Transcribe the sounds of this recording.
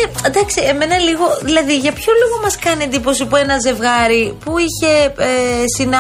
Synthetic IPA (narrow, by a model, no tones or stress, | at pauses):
ed̪ɐksie̞me̞nɐliɣo̞ðilɐðiʝɐpço̞loɣomɐskɐniend̪ipo̞sipue̞nɐze̞vɣɐɾipuiçe̞ | sin